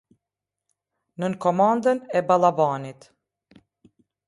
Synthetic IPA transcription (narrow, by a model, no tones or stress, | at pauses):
nənkɔmand̪ənɛbalˠabanit̪